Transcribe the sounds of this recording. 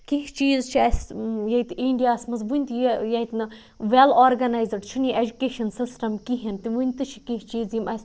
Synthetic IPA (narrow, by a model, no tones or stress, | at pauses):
kiɦt͡ʃiːzt͡ʃʰiɐsjɐit̪iɳɖijaːsmɐzʋunʲt̪jɐit̪nɨ | ʋelaːɾɡɐnaːjzɐɖt͡ʃʰuniʔed͡ʒukeːʃɐnsisʈɐmkiɦint̪iʋunʲt̪ɨt͡ʃʰi̥kiɦt͡ʃiːzjimɐs